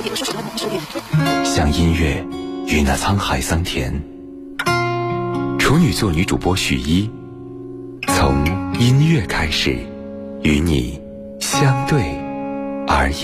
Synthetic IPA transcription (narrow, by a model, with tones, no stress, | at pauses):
ɕjɑ˥˧ŋi˥nɥɛ˥˩y˧˥˦na˥˩t͡sʰɑ˥ŋxa˧˥ɪsɑ˥ŋt̪ʰjɛ̰˧˥n | ʈ͡ʂʰu˧˥ny˨˩t͡swɔ˥˩ny˧˥ʈ͡ʂṵ˨˩pwɔ˥ɕy̰˨˩i˥ | t͡sʰʊ˧˥ŋi˥nɥɛ˥˩kʰa˥ɪʂɻ̩˨˩˦ | y˧˥nḭ˨˩ | ɕjɑ˥ŋt̪we˥˩ɪ | ə˞˧˥